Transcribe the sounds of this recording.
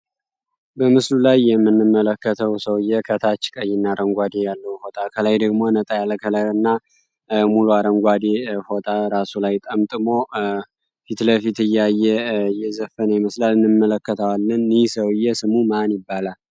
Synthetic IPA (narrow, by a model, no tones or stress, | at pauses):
bəmɨslulajːɛmːɨnːɨmːələkːət̪ʰəwsəwɨjːɛkʰət̪ʰat͡ʃːkʼəjːɪnːaɾəŋɡʷad̪ejalːəhwho̞t̪ʼakʰəlajd̪əɡmo̞nət̪ʼajalːəkʰələɨnːa | muluaɾəŋɡʷad̪eho̞t̪ʼaɾasulajt̪ʼəmt̪ʼɨmo̞ | fit̪ləfit̪ɨjːajːɛɨjɛzəfːənəjiməslalɨnːɨmːələkːət̪ʰawalːɨnːɨjsəwɨjːɛsɨmumanjɪbːalal